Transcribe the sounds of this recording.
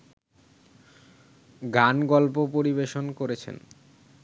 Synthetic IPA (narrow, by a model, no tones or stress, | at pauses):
ɡanɡɔlpopoɾiβeʃonkoɾet͡ɕʰḛn